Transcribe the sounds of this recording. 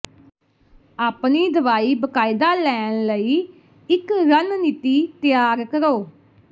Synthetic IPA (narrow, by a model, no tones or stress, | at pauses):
aːpniːd̪əʋaːiːbəkaːɪd̪aːlɛːnləiː | ɪkɾənniːt̪iːt̪ɪjaːɾkəɾoː